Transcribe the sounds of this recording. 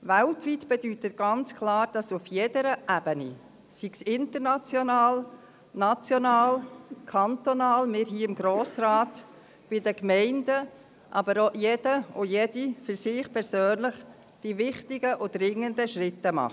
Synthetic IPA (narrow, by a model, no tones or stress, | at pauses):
ʋæltʋitb̥ɛdytətɡ̥ɑnt͡skʰlɑːɾd̥ɑsufjɛd̥əɾəʔæb̥ənḭ | siɡ̥sɪnt̪əɾnɑt͡sjonɑːl | nɑt͡sjonɑːlkʰɑnt̪onɑːlmɪːɾɦiːɪmɡ̥ɾoːsraːt | b̥ɪdəkmɛɪndə | ʔɑbəɾojɛd̥əojɛd̥ifʏɾsɪχpʰɛɾsøːnləχ | d̥iʋɪχtɪɡəʔʊd̥rɪŋːəndəʃrɪtːəmɑ̰χ